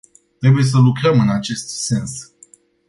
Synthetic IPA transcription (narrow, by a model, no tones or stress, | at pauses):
t̪ɾe̞buje̞s̬əlukɾəmɨnat͡ʃe̞st̪se̞ns